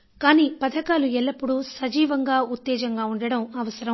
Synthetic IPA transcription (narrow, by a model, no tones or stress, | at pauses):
kaːniːpɐd̪ʱɐkaːluɛlːɐpːuɽusɐd͡ʒiːʋɐŋɡaːut̪ːɛːd͡ʒɐŋɡaːuɳɖɐɽɐmɐʋɐsɐɾɐm